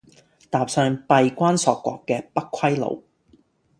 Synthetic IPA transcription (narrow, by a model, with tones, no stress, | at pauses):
t̪aː˨p̚sœː˧ŋpɐ˨˧jkʷaː˥nsɔː˨˧kːʷɔ̰ː˨˧kːɛː˧pɐ˥kkʷʰwɐ˥jlo̰˨˧w